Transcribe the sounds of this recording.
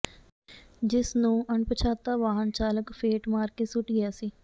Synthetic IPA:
d͡ʒɪsnũːəɳpət͡ʃʰaːt̪aːʋaːɦənt͡ʃaːləkfeːʈmaːɾkesʊʈɡɪjaːsiː

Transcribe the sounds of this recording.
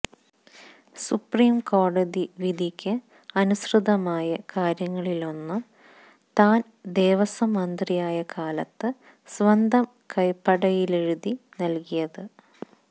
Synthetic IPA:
supriːmko̞ːɽɐðiʋid̪ʱikʲːɨ | ɐnusrɨðɐmaːjɐkaːɾjɐŋːɐɭilo̞nːɨ | t̪aːn | d̪e̞ːʋɐsɐmɐnd̪rijaːjɐkʰaːlɐt̪ːɨ | sʋɐnd̪ʱɐm | kɐjpːɐɽɐjile̞ɻuðinɐlkijɐðɨ

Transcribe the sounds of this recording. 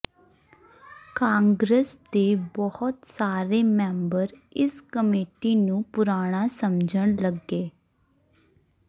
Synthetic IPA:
kaːŋɡɾəsd̪eːbɔhʊt̪saːɾeːmɛ̃ːmbəɾ | ɪskəmeːʈiːnũːpʊɾaːɽ̃aːsəmd͡ʒəɳləɡːeː

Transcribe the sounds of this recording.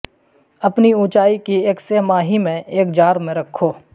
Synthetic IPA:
ɐpniũːt͡ʃaːikieːksemaːɦimẽeːkd͡ʒaːɾmẽɾɐkʰːoː

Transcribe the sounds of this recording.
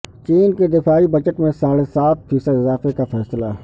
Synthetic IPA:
t͡ʃiːnked̪ɪfaːibɐt͡ʃəʈmẽsaːɽesaːt̪̚fiːsəd̪ɪzaːfekafɛːsəlaː

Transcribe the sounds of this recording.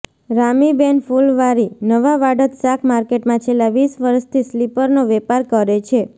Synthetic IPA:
ɾamibenfulʋaɾinəʋaʋaɖət̪sakʰmaɾkeʈmãt͡ʃʰelːaʋisʋəɾʃt̪ʰislipəɾnoʋɛpaɾkəɾet͡ʃʰe

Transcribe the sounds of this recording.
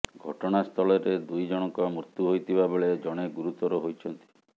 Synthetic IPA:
ɡʱɔʈɔɽ̃ast̪ʰɔlɔɾed̪ujd͡ʒɔɽ̃ɔŋkɔmɾut̪juɦojt̪ʰibabeɭed͡ʒɔɽ̃eɡuɾut̪ɔɾuɦojt͡ʃʰɔnt̪i̥

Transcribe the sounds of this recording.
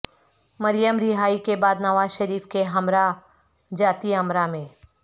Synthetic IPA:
mɐɾjəmɾɪɦaːikebaːd̪nɐʋaːzʃəɾiːfkeɦɐmɾa | d͡ʒaːt̪iɦɐmɾamẽː

